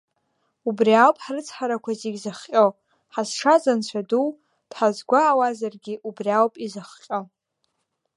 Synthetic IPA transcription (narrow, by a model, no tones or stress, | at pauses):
ubriawpʼħarɨt͡sʰʼħaɾakʷʰazeɡʲzɨχqʲʼo | ħasʂazant͡ɕʷʰaduw | d̥ħazɡʷaːwazarɡʲiʔubriawpʼizɨχqʲʼo